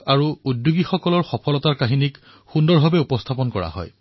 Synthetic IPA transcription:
aɹuudːuɡixɔkɔlɔɹxɔpʰɔlɔtaɹkaɦinik | xundɔɹbʱabɛupɔstʰapɔnkɔɹa̰hɔ̰j

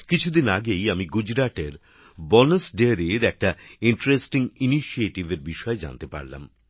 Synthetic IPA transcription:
kit͡ɕʰud̪inaɡejamiɡud͡ʑɾaʈeɾ | bɔnesɖeɾiɾɛk̚ʈaiɳʈɾesʈiŋiniʃieʈibeɾbiʃɔed͡ʑa̰nt̪epa̰ɾla̰m

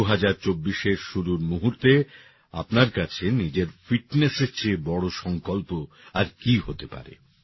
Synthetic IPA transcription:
uɦad͡ʑaɾt͡ɕobːiʃeɾʃuɾuɾmuɦuɾt̪e | a̰pnaɾkat͡ɕʰenid͡ʑeɾfiʈneseɾt͡ɕʰebɔɽoʃɔŋkolpo | aɾkiɦot̪epa̰ɾḛ

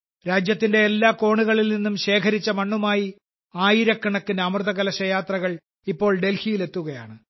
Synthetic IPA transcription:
ɾaːd͡ʑjɐt̪ːinde̞ːlːaːko̞ːɳuɣɐɭilninːumɕe̞ːkʰɐɾit͡ɕːɐmɐɳːumaːji | aːjiɾɐkːɐɳɐkːɨnɐɐmrðɐɣɐlɐɕɐjaːt̪rɐɣɐɭ | ipːo̞ːɭɖe̞lhijile̞t̪ːuɣɐjaːɳɨ

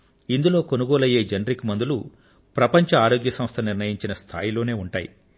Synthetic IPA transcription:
ind̪ulo̞ːko̞nuɡoːlɐje̞ːd͡ʒɐnɾikmɐnd̪ulu | pɾɐpɐɲt͡ʃɐaːɾo̞ːɡjɐsɐmst̪ʰɐniɾnɐjiɲt͡ʃinɐst̪ʰa̰ːjilo̞ːne̞ːuɳʈa̰ːjḭ

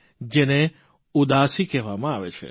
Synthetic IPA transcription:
d͡ʒene | ud̪aːsikɛɦʋamãaʋḛt͡ʃʰḛ

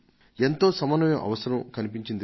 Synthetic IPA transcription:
ent̪o̞ːsɐmɐnɐmjɐʔɐ̰ʋɐsɐɾɐmkɐnipiɲt͡ʃind̪

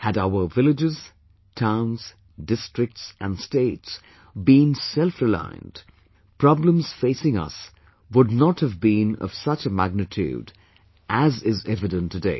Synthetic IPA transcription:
hɨɾaʊə˞vɪlɪd͡ʒɪz̥ | tʰãʊ̃nz̥ | dɪstɹ̥ɪk̚tsʔɨ̃nsteɪts | bĩnsɛlˠfɹɪlã̰ɪ̰̃nd̥ | pʰɹ̥ɑblə̃mz̥feɪsɪ̃ŋʌ̰s | wʊdⁿnəthɨvbĩnʌ̰v̥sʌt͡ʃəmæɡ̚nɨtʰʉ̰d | ʔæzɪzɛvɨdə̃ntʰːɨdeɪ

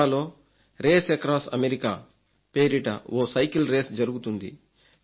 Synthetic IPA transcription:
aːlo̞ː | ɾe̞ːsekɾaːsɐ̰meɾika̰ː | peːɾiʈɐ̰ʔoːsɐjkilɾeːsd͡ʒɐɾuɡut̪und̪ḭ

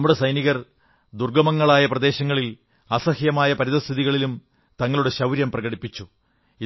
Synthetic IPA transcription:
ɐmːuɽe̞sɐjniɣɐr | d̪urɡɐmɐŋːɐɭaːjɐprɐd̪e̞ːɕɐŋːɐɭil | ɐsɐhjɐmaːjɐpɐɾiðɐst̪ʰiðiɣɐɭilum | t̪ɐŋːɐɭuɽe̞ɕɐwɾjɐmprɐɣɐɽipːit͡ɕːu | i

